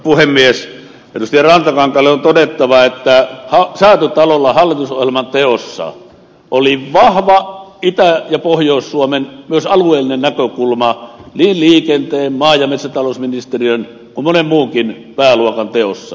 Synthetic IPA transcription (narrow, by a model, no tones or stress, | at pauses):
puhemːies | ʔerust̪iɑrɑnt̪ɑkɑŋkɑlːeont̪odet̪ːɑʋɑet̪ːæhɑsæːˑøt̪øt̪ɑlolːɑhɑlːit̪uso̰hjelmɑnt̪eosːɑ̰ | ʔoliʋɑhʋɑit̪æjɑpohjoˑusːuomenmyøsɑluˑeːlinennækøkulmɑniːnliːkent̪eːmmɑːjɑmet̪sæt̪ɑloˑusminist̪eriøn | kummonemmuːkin | pæːluokɑnt̪eo̰sːɑ